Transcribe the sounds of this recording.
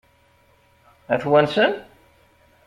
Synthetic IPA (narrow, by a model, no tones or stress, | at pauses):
æθwænsən